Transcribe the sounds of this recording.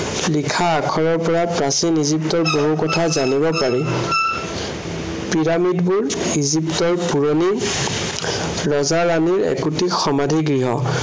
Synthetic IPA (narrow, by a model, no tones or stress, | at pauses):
likʰaːkʰɔɹɔɹpɔɹapɹasiniziptɔɹboɦukɔtʰazanibɔpaɹi | piɹamidbʊɹ | iziptɔɹpuɹoni | ɹɔzaɹaniɹɛ̰kutixɔmadʱiɡɹiɦɔ̰